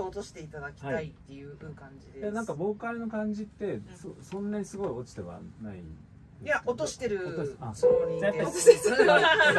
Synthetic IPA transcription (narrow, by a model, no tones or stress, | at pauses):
ot̪o̞ɕi̥t̪e̞it̪ad̪akʲi̥aait̪ːe̞jɯ̟kãɲd͡ʑied̪enãŋkabo̞ːkaɾɯ̟no̞kãɲ̟d͡ʑit̪ːe̞sosõ̞nːaɲ̟isɨɡo̞io̞t͡ɕi̥t̪e̞βa̰naḭ | jaot̪osɕi̥t̪e̞ɾɯ̟ooasoit̪ːaes